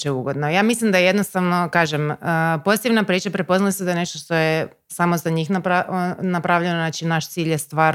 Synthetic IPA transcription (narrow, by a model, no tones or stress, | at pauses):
t͡ʃeuɡo̞d̪nojaːmislˠimd̪ajeje̞d̪no̞st̪aʋno̞kaːʒeməpo̞zit̪iʋnapɾiːt͡ʃapɾepo̞znalʲised̪ajene̞ʃt̪oʃt̪o̞je | samozaɲiːxnapɾanapɾaʋʎenonat͡ʃinaʃt̪siːʎjest̪ʋaː